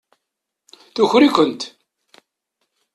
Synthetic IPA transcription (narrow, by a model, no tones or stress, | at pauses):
θuçɾikʷənt̪